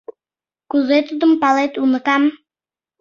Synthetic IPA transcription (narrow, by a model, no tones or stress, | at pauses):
kuzet̪ud̪əmpalˠet̪unɤ̆kam